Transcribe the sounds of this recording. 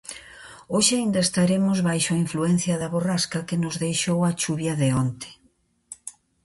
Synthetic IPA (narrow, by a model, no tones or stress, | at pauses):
oʃɪaind̪ɐest̪aɾemʊzβajʃoaiɱfluɛn̟θjɐðɐβoraskɐkenʊzðejʃowɐt͡ʃuβjɐðeont̪e̥